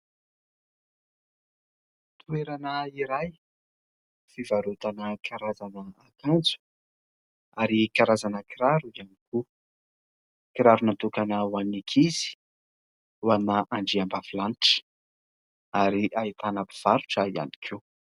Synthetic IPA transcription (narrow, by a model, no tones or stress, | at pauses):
t̪ʰueɾanəiɾaj | fivaɾut̪anəkʰaɾazanəːkand͡zu̥ | aɾikaɾazanəkiɾaɾuianiku | kiɾaɾunat̪ukanəwanikʰiz̥i̥ | wanaʔaɳɖ͡ʐiambafilaniʈ͡ʂə̥ | aɾiʔait̪anapi̥v̥aɾuʈ͡ʂəia̰ni̥kʰe